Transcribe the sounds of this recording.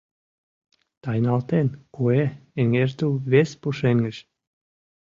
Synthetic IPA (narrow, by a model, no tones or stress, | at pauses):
t̪ɑjnɑlt̪enkueeŋert̪uβespuʃeŋɡə̆ʃ